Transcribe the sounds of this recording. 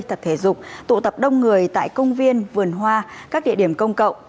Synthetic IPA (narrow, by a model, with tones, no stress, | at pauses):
t̪ʰə˨˩p̚t̪ʰe˧˩zʊ˨˩k͡p̚t̪ṵ˧˨t̪ə˨˩p̚ɗə˧wŋ͡mŋɨ˨˩əjt̪a̰ː˧˨jkə˧wŋ͡mvi˧ənvɨ˨˩ənɦwaː˧kaː˦˥k̚ɗḭ˧əɗi˧˩əmkə˧wŋ͡mkə̰˧˨wŋ͡m